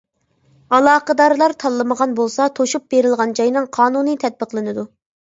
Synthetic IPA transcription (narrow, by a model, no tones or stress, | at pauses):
ɑlˠɑːqəd̪ɑɾlˠɑɾt̪ʰɑlˠːɨməʁɑnbolˠsɑt̪ʰoʃup̚beɾɪlˠʁɑnd͡ʒɑjnɨŋqʰɑːnunɨt̪ʰɛt̪̚bəqlˠɨnɨd̪u